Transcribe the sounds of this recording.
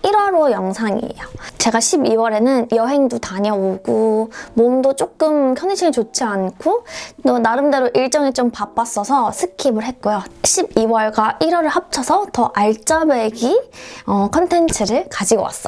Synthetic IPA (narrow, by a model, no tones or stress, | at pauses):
iɾwʌɾojʌŋsʰaŋḭejot͡ɕe̞ɡaɕʰibiwʌɾe̞nɯnjʌɦe̞ŋdutaɲʌoɡumomdot͡ɕ͈ok̚k͈ɯmkʰjʌneɕʰiŋit͡ɕot͡ɕʰiankʰotonaɾɯmde̞ɾoʔiɭt͡ɕ͈ʌŋet͡ɕ͈ompap͈as͈ʌsʰʌsʰɯkʰimɯɭɦet̚k͈ojoɕʰibiwʌɭɡaʔiɾwʌɾɯɭhap̚t͡ɕʰʌsʰʌtʌʔaɭt͡ɕ͈abe̞ɡiʌkʰʌntʰe̞nt͡ɕʰɯɾɯɭkad͡ʑiɡʌwa̰s͈ʌ